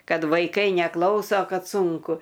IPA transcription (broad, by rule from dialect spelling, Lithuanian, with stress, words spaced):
ˈkɐt ʋɐɪˈkɐɪ nʲɛˈklˠɐʊsoː ˈkɐt ˈsʊŋkʊ